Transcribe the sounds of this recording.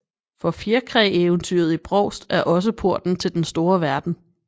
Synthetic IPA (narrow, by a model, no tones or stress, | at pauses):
fɒ̽fjiɐkʰʁɛeːʊnt͡sʰy̰ːɐð̞̩ˠib̥ʁɒʊ̰sd̥æɐʔɒ̽s̬əpʰo̝ɐ̰d̥n̩t͡sʰe̝ld̥ensd̥o̝ːɐʋæɐd̥n̩